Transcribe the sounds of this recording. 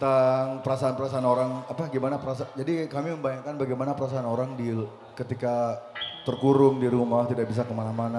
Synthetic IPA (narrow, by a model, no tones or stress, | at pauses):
t̪aŋpəɾasaanpəɾasaanoɾaŋapaɡimanapəɾasad͡ʒadikamiməmbajaŋkanbaɡajmanapəɾasaːnoɾaŋdi | kət̪ikat̪ərkuɾʊŋdiɾumat̪idaʔ̚bis̬akəmanamana